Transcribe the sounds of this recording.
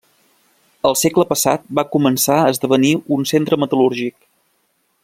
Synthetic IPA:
əlˠsekləpəsa̰t̪̚bakumənsaəzðəβ̞əniunsent̪ɾəmət̪əluɾʒik̚

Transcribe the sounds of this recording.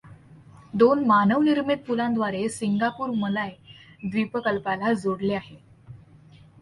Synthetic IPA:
d̪onmanəʋniɾmit̪̚puland̪ʋaɾesiŋɡapuːɾməlajd̪ʋipəkəlpalad͡zoɽleaɦe

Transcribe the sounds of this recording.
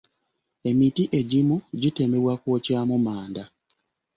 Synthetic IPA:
e̞mitiʔe̞ɟimuɟite̞me̞βwakwoːcaːmumaːnda

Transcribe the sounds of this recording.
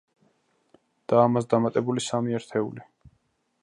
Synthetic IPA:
d̪̥aːmasd̪amat̪ʼɛbulisamiɛɾt̪ʰɛṵli

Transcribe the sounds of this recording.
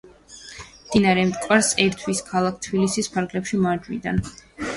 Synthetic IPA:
md̪̥inaɾɛmt̪ʼkʼwaɾsɛɾt̪ʰwiskʰalˠak̚ʰt̪ʰbilisispʰaɾɡlɛpʃimaɾd͡ʒwid̪an

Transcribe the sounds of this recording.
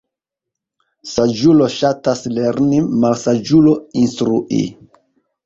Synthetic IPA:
sad͡ʒuloʃatasleɾnimalsad͡ʒuloinstɾuʔḭ

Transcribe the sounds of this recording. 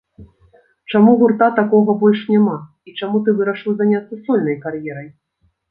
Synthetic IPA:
t͡ʂamuɣurt̪at̪akɔɣɐbɔlʲʂnʲama | it͡ʂamut̪̬ɨvɨɾɐʂɨwzanʲat̪sɐsɔlʲnɐjkarjɛɾɐj

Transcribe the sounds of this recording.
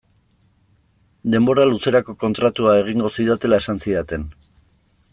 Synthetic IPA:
d̪e̞mbo̞ɾaluse̞ɾako̞ko̞nt̪ɾat̪uae̞ɣ̞iŋɡo̞siðwat̪e̞lae̞sansiðat̪e̞n

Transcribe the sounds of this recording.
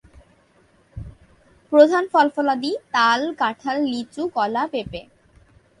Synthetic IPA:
pɾod̪ʱanfɔlfɔlad̪it̪alkaʈʰalːit͡ɕukɔlapepe

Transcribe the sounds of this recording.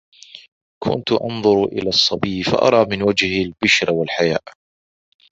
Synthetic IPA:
kʰʊ̰nt̪ʊʔɑ̰nðˤʊɾʔɪ̰laːsˤːɑbiːfa̰ʔɑ̰ɾˤɑːmɪnwad͡ʒhalbɪʃɾwalħajaːʔ

